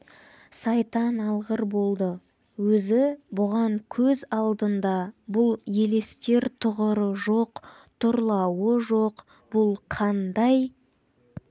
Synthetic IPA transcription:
sɑjt̪ɑnɑlˠʁəɾbo̞lˠd̪ə | wɵzɪbʊʁɑŋkʲʰɵzɑlˠd̪ənd̪ɑbʊlˠje̞le̞st̪e̞ɾt̪ʰʊʁəɾəʒoq | t̪ʰʊɾlˠɑwəʒo̞q | b̥ʊlˠqʰɑnd̪ɑj

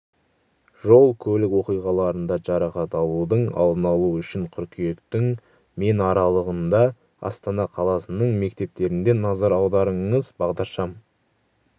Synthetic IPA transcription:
ʒo̞lˠkʲʰɵlɪkwo̞qijʁɑlˠɑɾənd̪ɑʒɑɾɑqɑt̪ɑlˠud̪əɴɑ̰lˠd̪ənɑlˠuʏʃɪɴqʲʰʏɾkʲʰije̞kt̪ɪŋ | me̞nɑɾɑlˠəʁənd̪ɑ | ɑ̰st̪ɑnɑqʰɑlˠɑsənəɴme̞k̚t̪e̞p̚t̪e̞ɾɪnd̪e̞nɑzɑɾɑwd̪ɑɾəɴəzbɑʁd̪ɑɾʃɑm

